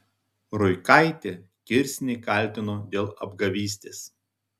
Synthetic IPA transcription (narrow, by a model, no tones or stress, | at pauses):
ɾʊɪkɐɪt̪ʲeː | kʲɪɾʲsʲnʲɛɪkɐˑlʲt̪ʲɪnoːd̪ʲeːlˠɐbɡɐʋʲiːsʲt̪ʲeːs